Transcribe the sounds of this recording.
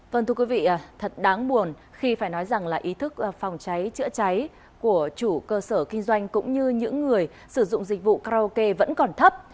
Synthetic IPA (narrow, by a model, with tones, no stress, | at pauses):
və˧˩nt̪ʰɨ˧ə˧kwi˨˦vḭ˧˨ʔt̪ʰə˨˩t̚ɗaː˨˦ŋɓu˨˩ən | xi˧faː˧˩jnɔ˨˦jza˨˩ŋlaː˨˩ʔi˨˦t̪ʰɨ˦˥k̚ːfa˨˩wŋ͡mt͡ɕa˨˦jt͡ɕɨ̰˧˥t͡ɕa˨˦j | ku˧˩ət͡ɕu˧˩kəː˧səː˧˩kï˧ŋ̟zwa˧jŋ̟kʊ̰˧˥ŋ͡mɲɨ˧ɲɨ̰˧˥ŋːɨ˨˩əj | sɨ˧˩zʊ̰˧˨ŋ͡mzi˨˩k̟̚vṵ˧˨kaː˧o˧ke˧və̰˧˥nkɔ˨˩nt̪ʰə˦˥p̚